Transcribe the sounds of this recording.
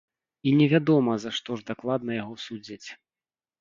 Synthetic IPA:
inʲɛvʲad̪ɔmɐzaʂt̪ɔʐd̪aklˠad̪̚nɐjaɣɔsud͡zʲit͡sʲ

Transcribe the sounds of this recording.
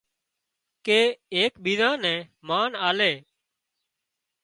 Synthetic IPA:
keːeːkɓiːdãːnɛ̃ːmaːnaːleː

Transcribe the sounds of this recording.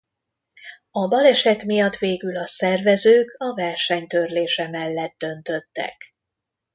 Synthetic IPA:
ɒbɒlɛʃɛt̪mijɒt̪ʋeːɡylɒsɛrvɛzøːkɒvɛrʃɛɲt̪ø̞rleːʃɛmɛlːɛd̪̚d̪ø̞nt̪ø̞t̪ːɛ̰k

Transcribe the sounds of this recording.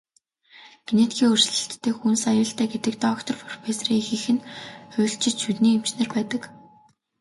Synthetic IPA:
ɡ̥enet̪ɡʲiːŋɵr̥sɮɘ̆ɬt̪ːeːxunsajʊːɬt̪ʰæːɡet̪ɘ̆k̚t̪ɔkt̪ʰɞ̆rfɔrpesriːŋxɘ̆xɘ̆nʊ̟ːɬt͡ɕɪ̆t͡ɕʃut̪niːem̥t͡ɕnĕːrpæːt̪ə̆k

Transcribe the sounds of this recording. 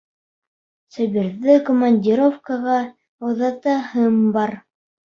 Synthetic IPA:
sɘ̆biɾðɘkomanʲdʲiɾofkaʁɑ | ŏðɑt̪ɑhɤmbɑɾ

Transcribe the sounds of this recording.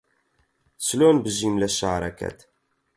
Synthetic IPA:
slonbəʒimlæʃaʕɾˤækæ̰t̪

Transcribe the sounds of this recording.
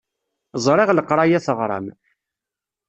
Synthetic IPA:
zˤɾˤeʁləqɾˤɑjæθəʁɾˤɑ̰m

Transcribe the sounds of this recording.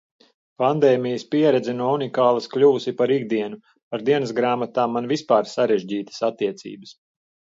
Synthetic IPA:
pand̪ɛːmijəspiɛɾɛd̪zɛnuɔunikaːlˠɐsklʲuːusipaɾiɡd̪iɛnu | paɾd̪iɛnəsɡɾaːmat̪aːmːanvispaːɾsaɾɛʒɟiːt̪ə̥sat̪ːiɛt̪sḭːbəs

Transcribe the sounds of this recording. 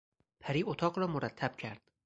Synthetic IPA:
pʰæɾiːot̪ʰɒːɢɾɒːmoɾæt̪ʰːæb̥cʰæɾd̪̥

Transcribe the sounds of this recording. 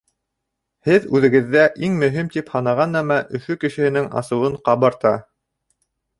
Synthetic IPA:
hɘðʉðɘ̆ɡɘ̆ðːæʔiŋmɵ̆ɦimt̪iphɑnɑʁɑnæmæʔɵ̆fɵkɘ̆ʃɘ̆hɘ̆nɘŋɑ̰sɤ̆wɤɴqɑβɤɾt̪ɑ

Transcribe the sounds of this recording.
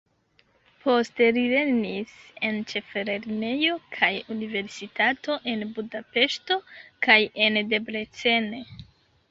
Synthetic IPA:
po̞ste̞ɾile̞nise̞nt͡ʃe̞fe̞ɾe̞ɾne̞jo̞kʰajunive̞ɾsitato̞ʔe̞nbudape̞ʃto̞kaje̞nde̞bɾe̞t͡se̞ne̞

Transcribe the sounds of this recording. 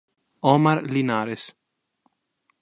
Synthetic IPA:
ɔmaɾlinaːɾes

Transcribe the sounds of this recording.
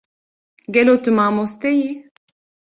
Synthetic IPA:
ɡɛloːt̪ɨmaːmoːst̪ɛji

